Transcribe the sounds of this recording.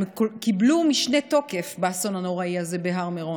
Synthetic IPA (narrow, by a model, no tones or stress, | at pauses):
mkokiblumiʃne̞to̞ke̞fbaːso̞nhano̞ʁaiaze̞beɦaʁmeʁo